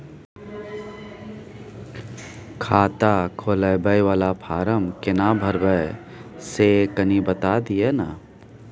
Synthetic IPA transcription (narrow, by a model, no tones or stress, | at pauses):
kʰaːt̪akʰoːləjbəjʋaːlapʰaːɾəmkɪnabʱəɾbə | sekənibət̪ad̪iena